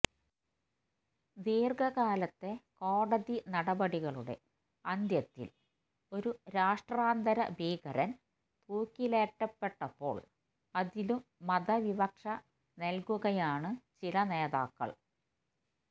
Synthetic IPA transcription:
d̪iːrɡɐɣaːlɐt̪ːe̞ko̞ːɽɐðinɐɽɐbɐɽiɣɐɭuɽe̞̰ | ɐnd̪jɐt̪ːḭl | o̞ɾuɾaːʂʈraːnd̪ɐɾɐ̰bʱiːɡɐɾɐn | t̪uːkːileːʈːɐpːe̞ʈːɐpːo̞̰ːɭ | ɐðilumːɐdɐʋibɐkʂɐ | nelkuɣɐjaːɳɨt͡ɕilɐneːðaːkːɐ̰ɭ

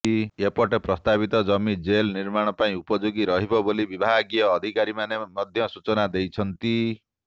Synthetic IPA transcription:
iepɔʈepɾɔst̪aβit̪ɔd͡ʒɔmid͡ʒelniɾmaɽ̃ɔpaĩupɔd͡ʒoɡiɾɔɦibɔbolibibʱaɡijɔːd̪ʱikaɾimanemɔd̪ʱjɔsut͡ʃɔnad̪ejt͡ʃʰɔnt̪i

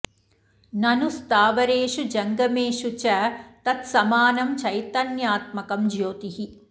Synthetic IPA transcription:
nɐnust̪aːʋɐɾeːʂud͡ʒɐŋɡɐmeːʂut͡ʃɐt̪ɐt̪sɐmaːnɐmt͡ʃɐjt̪ɐnjaːt̪̚mɐkɐmd͡ʒjoːt̪iɦi

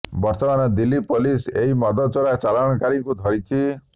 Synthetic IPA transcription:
bɔɾt̪ɔmanɔd̪ilːipoliseɦimɔd̪ɔt͡ʃɔɾat͡ʃalɔɽ̃ɔkaɾiŋkud̪ʱɔɾit͡ʃʰi

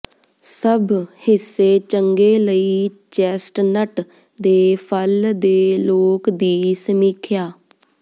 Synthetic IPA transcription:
səbhɪsːeːt͡ʃəŋɡeːləiːt͡ʃɛːsʈnəʈ | d̪eːpʰəld̪eːloːkd̪iːsəmiːkʰjaː

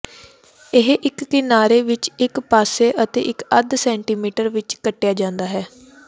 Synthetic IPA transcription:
ɪɦʔɪkːɪnaːɾeːʋɪt͡ʃɪkpaːseːʔət̪ḛːʔɪkəd̪sɛːɳʈiːmiːʈəɾʋɪt͡ʃkəʈːejaːd͡ʒãːnd̪aːɦɛː

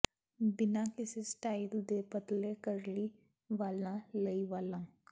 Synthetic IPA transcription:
bɪnãkɪsesʈaːild̪epət̪lekəɾli | ʋaːlnãləiʋaːlãŋ

